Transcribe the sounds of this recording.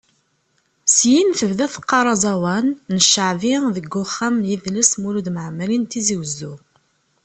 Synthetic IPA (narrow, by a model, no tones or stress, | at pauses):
sjinθəvðæθə̥qːɑɾˤɑzˤɑwɑnːəʃəʕviðəɡːʊχːæmjiðləsmulud̪məʕmːəlint̪iziwəzːu